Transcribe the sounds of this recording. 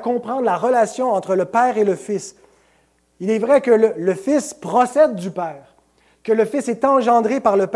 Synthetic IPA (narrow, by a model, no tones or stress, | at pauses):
kɔ̃pχɑ̃ːd̪ʁlaʁəlasjɔ̃ɑ̃t̪χələpɛːʁeləfɪs | ilɛvʁɛkələləfɪspχɔsɛd̪ːypɛːʁ | kələfɪsɛt̪ɑ̃ʒɑ̃d̪ʁepaʁləp